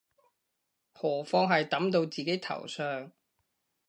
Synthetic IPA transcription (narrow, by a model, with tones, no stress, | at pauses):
hɔː˨˩fɔː˧ŋɦɐ˨jt̪ɐ˨˥mt̪o˧wt͡siː˨ke˨˥jt̪ʰɐ̰˨˩wsœː˨˧ŋ